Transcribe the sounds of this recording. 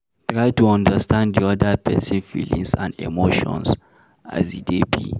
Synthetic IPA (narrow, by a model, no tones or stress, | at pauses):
tɹajtuɔ̃ndəstʰãnddiɔdapɛsĩnfḭlḭ̃ŋsã̰ndḛmoʃɔ̰̃ns | a̰zidebḭ